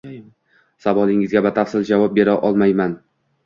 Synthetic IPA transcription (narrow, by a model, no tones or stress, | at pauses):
savɒlˠɪŋɪzɡʲabat̪ʰafsɪld͡ʒavɒp̚be̞ɾaʔɒlˠmajman